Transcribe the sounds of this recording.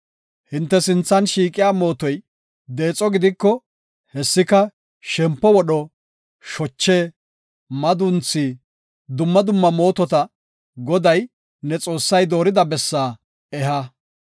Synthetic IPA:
hɪnt̪ːɛsɪnt͡sːɐnʃiːkʼɪjaːmo̞ːt̪ɔj | d̪e̞ːt͡sʼɔɡɪd̪ɪkːɔ | hɛsːɪkɐ | ʃɛmpːɔwɔɗɔ | ʃɔt͡ʃːeː | mɐd̪ʊnt͡sːiː | d̪ʊmːɐd̪ʊmːɐmo̞ːt̪ɔt̪ɐ | ɡɔd̪ɐj | nɛt͡sʼo̞ːsːɐjd̪o̞ːɾɪd̪ɐbɛsːaː | ɛɦɐ

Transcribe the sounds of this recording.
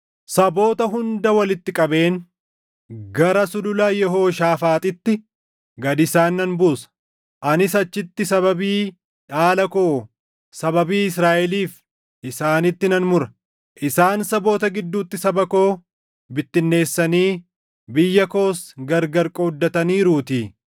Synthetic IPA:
sɐbo̞ːt̪ɐɦʊnd̪ɐwɐlɪt̪ːɪkʼɐbe̞ːn | ɡɐɾɐsʊlʊlɐjɛɦo̞ːʃaːfaːt̪ʼɪt̪ːɪ | ɡɐd̪ɪsaːnːɐnbuːsɐ̥ | ʔɐnɪsɐt͡ʃːɪt̪ːɪsɐbɐbiː | ᶑaːlɐko̞ː | sɐbɐbiːɪsɾaːʔɛliːf | ʔɪsaːnɪt̪ːɪnɐnmʊɾɐ | ʔɪsaːnsɐbo̞ːt̪ɐɡɪd̪ːuːt̪ːɪsɐbɐko̞ː | bɪt̪ːɪnːe̞ːsːɐniː | bɪjːɐko̞ːsɡɐɾɡɐɾkʼɔd̪ːɐt̪ɐniːɾuːt̪iː

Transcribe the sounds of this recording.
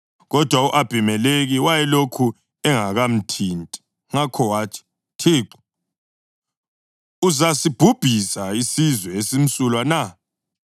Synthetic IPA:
ɣɔd̥ʱwauʔab̥ʱimɛleɣiwajɛlokʰu | ɛŋaɣam̩tʰintʼi̥ | ŋakʰɔwaːt͡ʃʰi̥ | tʰiːǃu̥ | uzasib̥ʱub̥ʱisaisizwɛesim̩sulwana

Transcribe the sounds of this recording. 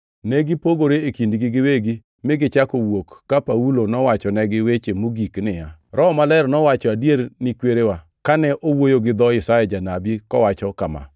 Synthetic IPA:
nɛɡɪpoɡoɾeekindɡɪɡɪweɡi | mɪɡɪt͡ʃakowokːapaulonɔwat͡ʃɔnɛɡɪwet͡ʃemoɡiknɪjaɾɔmalɛrnɔwat͡ʃɔadjeɾnɪkweɾewa | kanɛʔowojoɡɪd̪ɔɪsajɛd͡ʒanabikɔwat͡ʃɔkama̰

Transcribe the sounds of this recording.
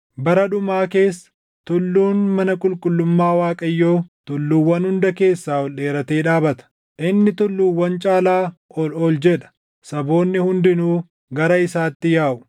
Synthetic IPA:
bɐɾɐᶑʊmaːke̞ːsːɐ̥ | t̪ʊlːuːnmɐnɐkʼʊlkʼʊlːʊmːaːwaːkʼɐjːoːt̪ʊlːuːwːɐnhʊnd̪ɐke̞ːsːaːɔlɗe̞ːɾɐt̪e̞ːᶑaːbɐt̪ɐ̥ | ʔɪnːɪt̪ʊlːuːwːɐnt͡ʃʼaːlaːʔɔlɔld͡ʒɛᶑɐ̥ | sɐbo̞ːnːɪhʊnd̪ɪnuː | ɡɐɾɐɪsaːt̪ːɪjaːʔʊ̥

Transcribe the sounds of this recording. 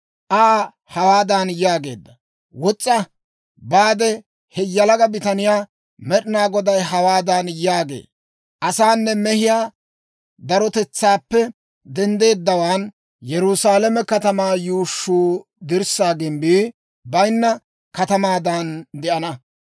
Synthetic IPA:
ʔa | hɐwaːd̪ɐnjaːɡe̞ːd̪ːɐ | wɔt͡sʼːɐ | baːd̪ɛ | hɛjɐlɐɡɐbɪt̪ɐnɪjaː | mɛɗɪnaːɡɔd̪ɐjɦɐwaːd̪ɐnjaːɡḛː | ʔɐsaːnːɛmɛhɪjaː | d̪ɐɾɔt̪ɛt͡sːaːpːɛ | d̪ɛnd̪e̞ːd̪ːɐwaːn | jɛɾʊsaːlɛmɛkɐt̪ɐmaːjuːʃːuː | d̪ɪɾsaːɡɪmbiː | bɐjnːɐ | kɐt̪ɐmaːd̪ɐnd̪ɛʔɐnɐ

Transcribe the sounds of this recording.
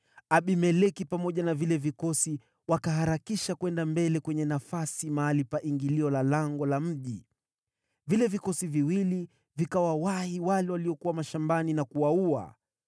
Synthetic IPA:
aɓimɛlɛkipamɔʄanavilɛvikɔsi | wakaɦaɾakiʃakwɛndambɛlɛkwɛɲɛnafasimaːlipaʔiŋɡiliɔlalaŋɡɔlam̩ʄi | vilɛvikɔsiviwili | vikawawahiwalɛwaliɔkuwamaʃambaninakuwaua̰

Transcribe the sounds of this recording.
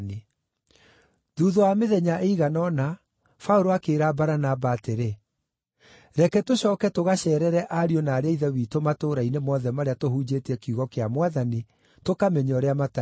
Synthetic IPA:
ni | ðuːðoameðɛɲaʔeiɣanɔna | fauɾoakeːɾabaɾanabaːteɾe | ɾɛkɛtoɕɔːkɛtoɣaɕɛːɾɛɾɛʔaɾiɔnaːɾeaiðɛwiːtomatoɾainemɔðɛmaɾeatoɦuːd͡ʑetɛkiuɣɔkeamwaðani | tokamɛɲɔɾeamata

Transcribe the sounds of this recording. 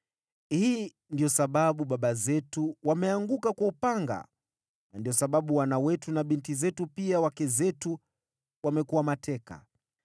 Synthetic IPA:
hiː | ndiɔsaɓaɓuɓaɓazɛtuwamɛaŋɡukakaupaŋɡa̰ | nandiɔsaɓaɓuwanawɛtunaɓintizɛtupiawakɛzɛtu | wamɛkuwamatʰɛka̰

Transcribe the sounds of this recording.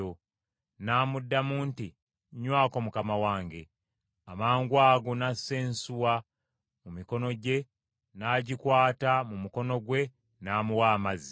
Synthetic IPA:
o | naːmudːamuːnti | ɲwaːko̞mukamawaːŋɡe̞ | amaːŋɡwaːɡonaseːnsuwa | mumiko̞no̞ɟe̞ | naːɟikwaːtamumuko̞no̞ɡwe̞ | naːmuwaːmazi

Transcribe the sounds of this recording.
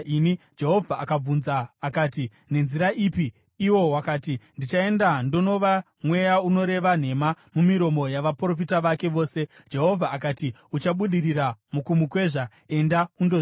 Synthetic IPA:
ini | d͡ʒe̞ɦo̞vʱaːkab͡vunzaːkaːti | ne̞nziɾaʔiːpiː | wo̞wakaːtindit͡ʃae̞ndando̞no̞ʋa | mwe̞jauno̞ɾe̞ʋan̤e̞ma | mumiɾo̞mo̞jaʋapro̞fitaʋake̞ʋo̞ːse̞ | d͡ʒe̞ɦo̞vʱaːkati | ut͡ʃaɓuɗiriramukumukwe̞ʐa | e̞ndaundo

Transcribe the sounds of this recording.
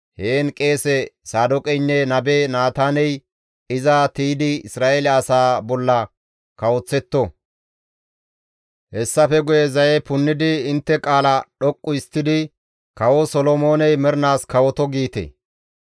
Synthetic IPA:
heːnkʼe̞ːsɛsaːd̪ɔkʼɛjnːɛnɐbeːnaːt̪aːnɛj | ɪzɐt̪iːd̪ɪɪsɾaːʔelɐɐsaːbɔlːɐ | kɐwɔt͡sːɛt̪ːɔ | hɛsːɐfɛɡʊjɛzɐjɛpʊnːɪd̪ɪɪnt̪ːɛkʼaːlɐɗɔkʼːʊɪst̪ːɪd̪ɪ | kɐwɔsɔlɔmo̞ːnɛjmɛɾnaːskɐwɔt̪ɔɡiːt̪ḛ

